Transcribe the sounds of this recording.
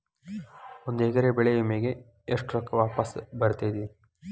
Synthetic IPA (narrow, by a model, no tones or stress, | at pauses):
ond̪uɛɡɐɾebɛɭejumeːɡeː | ʂʈɾɔkːɐʋaːpɐsbɐɾt̪ed̪i